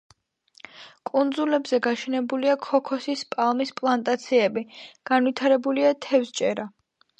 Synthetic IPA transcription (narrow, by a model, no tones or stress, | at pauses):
kʼund̪zulɛbzɛɡaʃɛnɛbuliakʰɔkʰɔsispʼalˠmispʼlˠant̪ʼat̪sʰiɛbiɡ̥anvit̪ʰaɾɛbuliat̪ʰɛfst͡ʃʼɛɾa